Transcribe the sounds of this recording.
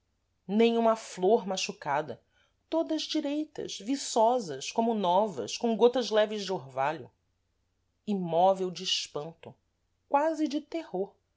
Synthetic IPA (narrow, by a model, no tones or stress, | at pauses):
nẽj̃ũmɐfloɾmaʃukad̪ɐ | t̪od̪ɐzd͡ʒiɾejt̪ɐ̰ʃvisɔzɐʃkõmʊnɔvɐ̰ʃkõɡot̪ɐzlɛvɪzd͡ʒɪoɾvaʎʊ | imɔvewd͡ʒiːʃpɐ̃nt̪ʊ | kwazɪd͡ʒɪt̪ehoɾ